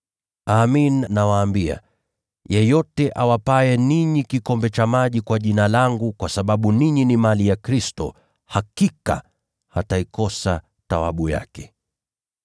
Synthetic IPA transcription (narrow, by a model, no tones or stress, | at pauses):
aminːawaːmbia̰ | jɛjɔtɛʔawapaɛniɲikikɔmbɛt͡ʃamaʄikwaʄinalaŋɡukwasaɓaɓuniɲinimalijakɾistɔ̰ | hakika̰ | hataikɔsa | tawa̰ɓuja̰kɛ̥